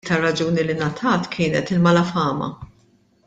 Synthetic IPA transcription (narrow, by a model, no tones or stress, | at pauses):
t̪ɐrːɐd͡ʒuːnilɪnɐt̪ʰɐːt̪kʰɪːnɛt̪ɪlmɐlɐfɐːmɐ̰